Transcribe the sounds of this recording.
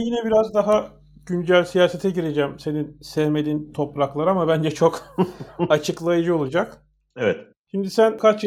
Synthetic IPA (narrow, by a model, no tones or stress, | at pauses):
jinɛbiɾazd̪aɦa | ɟynɟælʲsijaːse̞t̪ʰɛɟiɾe̞d͡ʒɛmse̞ninsɛhme̞d̪int̪ʰo̞pɾaklˠaɾɯamabænd͡ʒɛt͡ʃʰo̞k | at͡ʃʰɯklˠajɯd͡ʒɯo̞lˠud͡ʒak | evɛt̪ | ʃimd̪isænkʰat͡ʃ